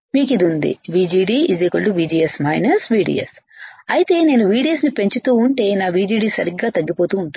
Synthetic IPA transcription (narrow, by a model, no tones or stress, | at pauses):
miːkid̪iund̪ḭʋiːd͡ʒiːɖiːizeːkɐɭːuʋiːd͡ʒiːesmɐjnɐsʋiːɖḭjḛs | ɐjit̪e̞ːne̞ːnuʋiːɽijɐsnipe̞ɲt͡ʃut̪uːuɳʈe̞ːnaːʋiːd͡ʒiːɖiːsɐɾiɡːaːt̪ɐɡːipo̞ːt̪uːɳʈu